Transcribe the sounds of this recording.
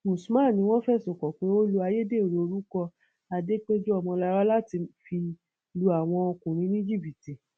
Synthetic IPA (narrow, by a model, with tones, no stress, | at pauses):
mũ˨su˨˦mã˦˨nĩ˧˦w̃ɔ̃˦fɛ˦˨so˨kɔ˨k͡pe˨˦o˦lu˦a˧je˦de˦o˨ɾo˨o˧ɾu˦kɔ˧ | a˧de˦k͡pe˦d͡ʒo˦a˦˨w̃ɔ̃˧la˧ɾa˦la˦ti˧fi˧ | lu˧a˨w̃ɔ̃˧o˧kũ˨ɾ̃ĩ˨˦nĩ˦d͡ʒi˦˨bi˨ti˨